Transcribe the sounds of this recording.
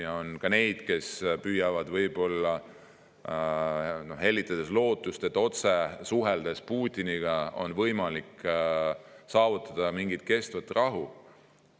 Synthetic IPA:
jɑo̞nkɑne̞jd̪̥ke̞spyːjɑvɑd̪vɤjbo̞lːɑ | no̞he̞lʲːit̪ːˑɑd̪̥e̞slo̞ːt̪ːˑust̪et̪ːˑo̞t̪sesuɦeld̪̥e̞spuːt̪ʲːiniɡ̥ɑo̞̰nvɤjmɑlik | sɑːvut̪ːˑɑd̪̥ɑmiŋɡ̥it̪̚ke̞st̪vɑt̪ːrɑɦu

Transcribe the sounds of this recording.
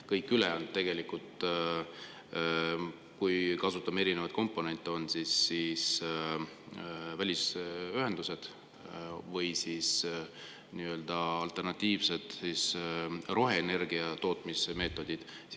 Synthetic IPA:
kɤjkˑːyleont̪e̞ɡ̥e̞likult̪ | kujkɑsut̪ːˑɑme̞ɾinevɑt̪̚ko̞mpːˑo̞ne̞nʲt̪ːˑeo̞nd̪̥sisːis | vælʲisyɦe̞nd̪̥used̪̥ | vɤjsis | niːø̞ld̪̥ɑɑlt̪ˑe̞rnɑt̪ʲːˑiːvse̞d̪̥sisro̞ɦe̞ːne̞rɡ̥iɑt̪o̞ːt̪ˑmiseme̞ːt̪ːˑo̞d̪̥id̪̥ | s

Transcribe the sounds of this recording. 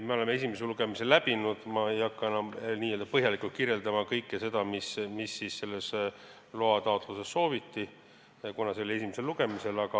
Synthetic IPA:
meo̞le̞mːe̞sʲimeseluɡ̥e̞miselæb̥inud̪̥mɑejɑkːɑenɑniːøld̪ɑpɤɦjɑlikˑult̪kirje̞ld̪ɑmɑkɤjkːˑese̞d̪̥ɑmismisːisse̞lːe̞s | lo̞ɑt̪ɑot̪ˑluse̞sːo̞ːvit̪ːi | kunɑseo̞lʲie̞simese̞lːuɡ̥e̞mise̞lɑɡ̥ɑ

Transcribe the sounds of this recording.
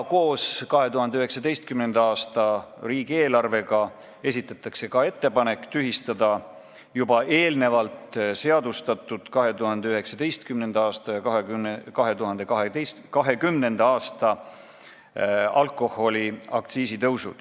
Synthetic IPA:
ko̞ːskɑɦe̞t̪uɦɑnd̪eyɦe̞ksɑd̪e̞jst̪̚kymnend̪̥ɑɑːst̪ɑriːɡ̥ie̞ːlɑrve̞ɡɑ | e̞sit̪ːˑɑt̪ːˑɑkse̞kɑe̞t̪ːe̞pɑne̞kːˑt̪yɦist̪ɑd̪̥ɑ | jubɑʔe̞ːlne̞vɑlt̪se̞ɑd̪ust̪ɑt̪ːˑud̪̥kɑɦe̞t̪uɦɑnd̪̥e̞yɦe̞ksɑd̪e̞jst̪kymnend̪ɑɑːst̪ɑjɑkɑɦekɑɦe̞t̪uɦɑnd̪̥e̞kɑɦees | kɑɦe̞kymne̞nd̪ɑɑːst̪ɑ | ɑlkˑo̞ho̞lʲiɑ̰k̚t̪siːsit̪ɤwsṵd̪̥

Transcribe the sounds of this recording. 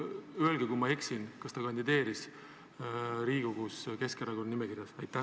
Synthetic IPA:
yelɡekumɑeksinkɑst̪ɑkɑnd̪id̪e̞ːɾis | ɾiːɡ̥o̞ɡ̥uske̞skeɾɑɡo̞nnimekiɾjɑsɑjt̪ːˑæh

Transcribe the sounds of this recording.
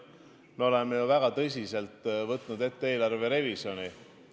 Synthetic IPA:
meo̞lemːejuvæɡ̥ɑt̪ɤs̬ʲise̞lt̪ːˑvɤt̪ˑnud̪e̞t̪ːee̞ːlɑrve̞ɾe̞visjo̞ni

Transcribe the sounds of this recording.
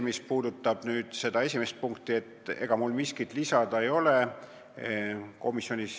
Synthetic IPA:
mispuːd̪ut̪ːˑɑb̥nyːd̪̥se̞d̪̥ɑe̞sʲime̞st̪̚puŋkt̪ˑie̞t̪ːˑe̞ɡ̥ɑmulmiskit̪lisɑd̪̥ɑejo̞le | ko̞misːjo̞nʲis

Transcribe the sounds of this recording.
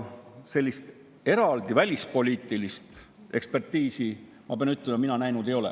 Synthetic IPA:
se̞lʲːist̪ | e̞ɾɑld̪ivælʲispo̞lʲiːt̪ːˑilist̪ | e̞kspe̞rt̪ːiːsi | mɑ̰b̥eɑnyt̪ːˑlemɑminɑnæjnud̪e̞jo̞lɛ̰

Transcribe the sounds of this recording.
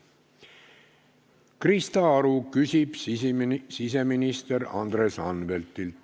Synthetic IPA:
krist̪ɑɑɾukysib̥ | sis̬e̞minist̪eɾɑ̰nd̪re̞sɑnːvelt̪ːil

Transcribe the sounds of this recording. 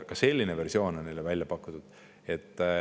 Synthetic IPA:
kɑse̞lʲːine̞ve̞rsio̞ːno̞nːejlevælʲjɑpɑkːu̥t̪ːud̪̥ | e̞t̪ːˑ

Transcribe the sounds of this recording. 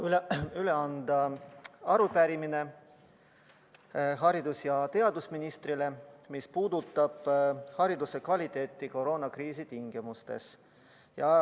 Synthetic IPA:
ylyle̞ɑnd̪̥ɑɑɾupæɾimine̞ | ɦɑɾid̪̥usjɑt̪e̞ɑd̪usminist̪rile̞mispuːd̪ut̪ːˑɑb̥hɑɾid̪use̞kvɑlʲit̪ːˑe̞ːt̪ˑːiko̞ɾo̞ːnɑkriːs̬it̪iŋɡ̥imust̪e̞̰s | jɑ

